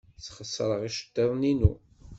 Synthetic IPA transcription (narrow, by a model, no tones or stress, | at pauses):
θχəsːəɾˤəʁiʃə̥d̪ːɑðˤninu